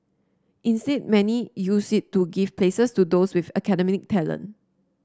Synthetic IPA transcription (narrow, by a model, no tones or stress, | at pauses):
ʔĩnstɛd̚mɛnijusitːuɡivplesəstudoswifəkɛdɛmɪk̚tʰɛlə̰̃n